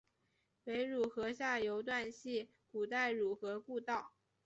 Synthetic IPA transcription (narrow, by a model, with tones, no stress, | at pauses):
we˧˥ɪɻu˨˩xɤ˧˥ɕja˥˩jo˧˥ʊt̪̬wa˥˧nɕi˥˩ | ku˨˩t̪a˥˩ɪɻu˨˩xɤ˧˥ku˥˧t̪ɑ˥˩ʊ